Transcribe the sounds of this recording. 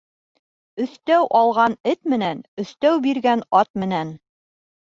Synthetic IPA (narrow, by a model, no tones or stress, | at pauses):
ɵ̆θt̪æwʔɑlˠʁɑnɘt̪mɘ̆nænɵ̆θt̪æwbiɾɡænɑt̪̚mɘ̆næn